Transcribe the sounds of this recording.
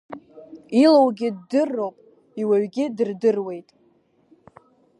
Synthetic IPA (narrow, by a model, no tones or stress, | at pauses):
ilowɡʲɪddɨrːo̞wpʼ | iwaɥɡʲɪdɨrdɨrwe̞jtʼ